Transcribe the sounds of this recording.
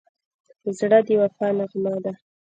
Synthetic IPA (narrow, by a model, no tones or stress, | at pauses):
zɽad̪jwafɑnaɣmɑd̪a